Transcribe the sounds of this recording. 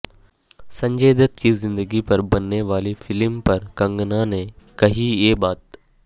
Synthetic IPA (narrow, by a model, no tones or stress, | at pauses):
sɐ̃ɲd͡ʒeːd̪ət̪kizɪ̃nd̪əɡipɐɾbɐnːeʋaːlefɪlmpɐɾkɐ̃ŋɡnanekɐɦijeːbaːt̪